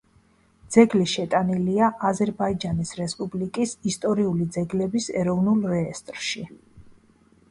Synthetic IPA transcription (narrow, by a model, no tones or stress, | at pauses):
d̪z̥ɛɡliʃɛt̪ʼaniliaʔazɛɾbaid͡ʒanisɾɛspʼublikʼisist̪ʼɔɾiulid̪zɛɡlɛbisɛɾɔvnulˠɾɛːst̪ʼɾʃi